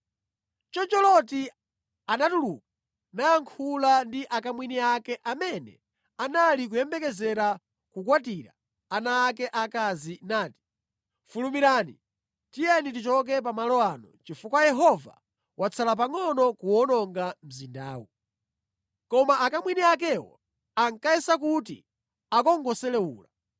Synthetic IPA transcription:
t͡ʃɔt͡ʃɔlɔt̬i | anatuluk̚a | najaŋkʰulandiʔakamwiniakɛʔamɛnɛ̰ | analik̬ujɛmbɛkɛzɛɾa | kukwat̬iːɾa | anaːkɛʔakazinaːti̥ | fulumiɾaːnḭ | tijɛnitit͡ʃɔk̬ɛp̬amalɔanɔ̰t͡ʃifukwajɛɦɔva̰ | wʔat͡sʰalap̬aŋɔnɔkuɔnɔŋɡam̩zinda̰ːwu | kɔmaʔːkamwiniak̬ɛwɔ̰ | aŋkaɛsakutḭ | akɔŋɡɔsɛlɛuːla

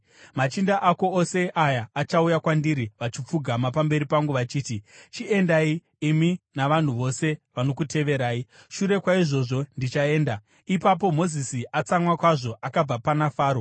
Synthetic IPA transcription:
mat͡ʃindaʔako̞ose̞ʔajaːt͡ʃaujakwandiɾiʋat͡ʃip͡fuɡʱamapambe̞ɾipaŋɡuʋat͡ʃiːtit͡ʃie̞ndaiː | minaʋan̤uʋo̞se̞ʋano̞kute̞ʋe̞ɾaːiʃuɾe̞kwaiʐo̞ʐo̞ndit͡ʃae̞ːnda | ipap̬o̞mo̞zisiʔat͡samwakwaʐo̞ʔakab͡vapanafaːɾo̞

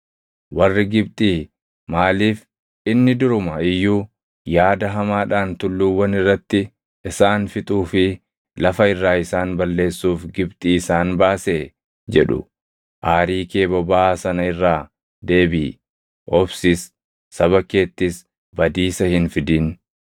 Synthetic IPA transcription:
wɐrːɪɡɪbt̪ʼiː | maːliːf | ɪnːɪd̪ʊɾʊmɐɪjːuː | jaːd̪ɐɦɐmaːᶑaːnt̪ʊlːuwːɐnɪrːɐt̪ːɪ | ɪsaːnfɪt̪ʼuːfɪ | lɐfɐɪrːaːɪsaːnbɐlːe̞ːsːuːfɡɪbt̪ʼiːɪsaːnbaːseː | d͡ʒɛᶑʊ̰ | ʔaːɾiːke̞ːbɔbaːsɐnɐɪrːaː | d̪e̞ːbiː | ʔɔbsɪsː | ɐβɐke̞ːt̪ːɪs | bɐd̪iːsɐhɪnfɪd̪iːn

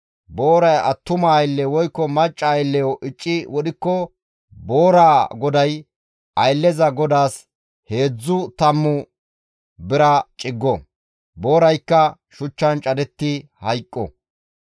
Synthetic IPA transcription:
bo̞ːɾɐjɐ̰t̪ːʊmɐɐjɪlːɛwɔjkːɔmɐt͡ʃʼːɐːjlːɛjɔʔɪt͡ʃʼːɪwɔd̪ɪkːɔ | bo̞ːɾaːɡɔd̪ɐj | ʔɐjlːɛzɐɡɔd̪aːs | he̞ːd͡zːʊt̪ɐmːʊ | bɪɾɐt͡ʃʼɪɡːɔ | bo̞ːɾɐjkːɐ | ʃʊt͡ʃːɐnt͡ʃʼɐd̪ɛt̪ːɪhɐjkʼːɔ̰

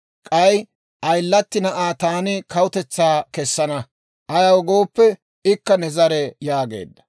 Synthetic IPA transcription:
kʼɐj | ʔɐjlːɐt̪ːɪnɐʔaːt̪aːnɪkɐwʊt̪ɛt͡sːaːkɛsːɐnɐ | ʔɐjɐwɡo̞ːpːɛ | ɪkːɐnɛzɐɾɛjaːɡḛːd̪ːɐ̥

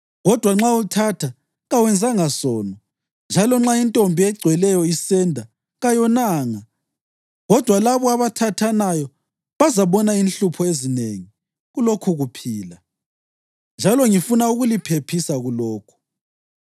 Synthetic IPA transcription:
ɣɔd̥ʱwaŋ͡ǁautʰatʰa | ɣawɛnd͡zʱaŋasɔːnɔ | nd͡ʒʱalɔŋ͡ǁaintʼombʱiɛɡ͡ǀʱwɛlɛjɔisɛndʱa | ɣajɔnaːŋa | ɣɔd̥ʱwalaβɔaβatʰatʰanajɔ | βazaβɔnainɬupʰɔezineŋi | ɣulokʰuɣupʰiːla | nd͡ʒʱalɔŋifunauɣulipʰepʰisaɣulɔːkʰu̥

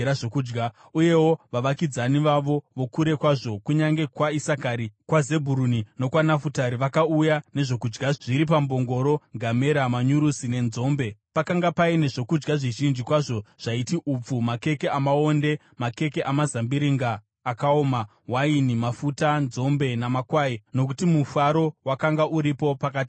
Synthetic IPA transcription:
ɾaʐokuːd͡ʒɡa | uje̞wo̞ʋaʋakid͡zaniʋaʋo̞ʋo̞kuɾe̞kwaʐo̞kuɲaŋɡe̞kwaisakaɾikwaze̞bʱuɾunino̞kwanafutaɾiʋakaujane̞ʐo̞kud͡ʒɡaʐ̥iɾip̬ambo̞ŋɡo̞ɾo̞ɡʱame̞ɾamaɲuɾusine̞nzo̞ːmbe̞pakaŋɡapaine̞ʐo̞kud͡ʒɡaʐiʒind͡ʒikwaʐo̞ʐ̥aitiʔup͡fumake̞ke̞amao̞nde̞ | make̞ke̞ʔamazambiɾiŋɡaː | kaoːma | wainimafutanzo̞mbe̞namakwaino̞k̬utimufaɾo̞wakaŋɡaʔuɾipo̞pakaːti̥

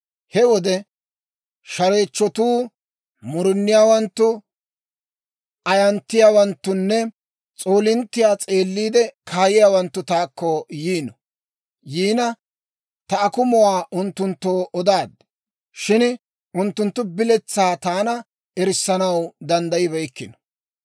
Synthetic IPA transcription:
hɛwɔd̪ɛ | ʃɐɾe̞ːt͡ʃːɔt̪uː | mʊɾʊnːɪjaːwɐnt̪ːʊ | ɐjɐnt̪ːɪjaːwɐnt̪ːʊnːɛ | t͡sʼo̞ːlɪnt̪ːɪjaːt͡sʼe̞ːlːiːd̪ɛkʰaːjɪjaːwɐnt̪ːʊt̪aːkːɔjiːnɔ | jiːnɐ | t̪ɐːkʊmɔwaːʔʊnt̪ːʊnt̪ːo̞ːʔɔd̪aːd̪ | ʃɪn | ʊnt̪ːʊnt̪ːʊbɪlɛt͡sːaːt̪aːnɐ | ɛɾɪsːɐnɐwd̪ɐnd̪ɐjɪbɛjkːɪnɔ̥

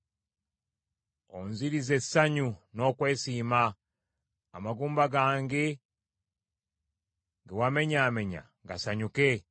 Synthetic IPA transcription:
o̰nziɾize̞sːaɲuno̞ːkwe̞ːsiːma̰ː | maɡuːmbaɡaːŋɡe̞ | ɡewame̞ɲaːme̞ɲa̰ | ŋɡa̰saɲuke

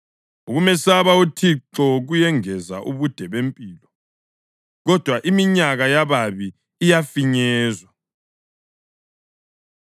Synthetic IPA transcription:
uɣumɛsaβautʰiǁɔɣujɛŋɛza̰ʔuβud̥ʱɛβempʼiːlɔ | ɣɔd̥ʱwaʔimiɲaɣajaβaβiː | jafiɲɛːzwa

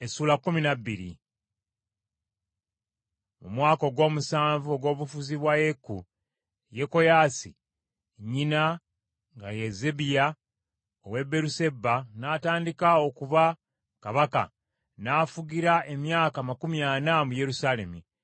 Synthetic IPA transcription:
esuːlakːuminabːiɾḭ | mṵmwaːko̞ɡo̞ːmusaːɱvuo̞ɡo̞ːβufuziβwajekːu | je̞ko̞jaːsi | ɲina | ŋɡa̰jeze̞bija | owe̞be̞ɾuse̞bːanataːndikao̞kuva | kaβaka̰ | naːfuɡiɾaʔe̞mjaːkamakumjanamuje̞ɾusaːle̞mi

